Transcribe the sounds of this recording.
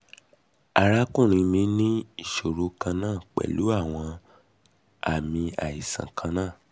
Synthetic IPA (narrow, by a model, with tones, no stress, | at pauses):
a˨ɾa˦kũ˦˨ɾ̃ĩ˨˧mĩ˧˦nĩ˦i˦˨ʃo˨ɾo˨˦kã˧nãː˦˨k͡pɛ̰˨lu˨˦a˦˨w̃ɔ̃˧ | a˨mĩ˧a˨i˨sã̰˨kʰã˧nãː˦˨